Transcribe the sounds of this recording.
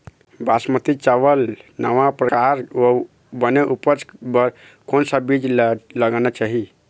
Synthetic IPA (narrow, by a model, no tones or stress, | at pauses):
basmət̪it͡ʃaʋəlnəʋapɾəkaɾo | bəneʔupət͡ʃbəɾ | konsəbid͡ʒləɡanat͡ʃaɦi